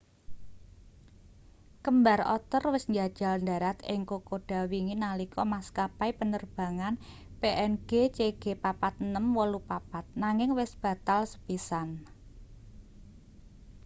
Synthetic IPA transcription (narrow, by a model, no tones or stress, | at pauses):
kəmba̤rɔ̰t̪ərwɪsɲd͡ʒad̥ʒ̥a̤lnda̤ɾat̪ɪŋkokoɖ̥a̤wiŋinalikɔmaskapaipənərb̥a̤ŋan | peʔɛnɡ̥et͡ʃeɡ̥epapat̪̚nəmwɔlupapat̪̚naŋɪŋwɪsb̥ä̤t̪alsə̥pisan